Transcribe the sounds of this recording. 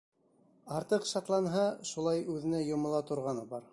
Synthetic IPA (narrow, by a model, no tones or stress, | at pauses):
ɑɾt̪ɤqʃɑt̪lˠɑnɦɑʃulˠɑjʉðɘ̆næjŏmŏlˠɑt̪ŏɾʁɑnɤbɑɾ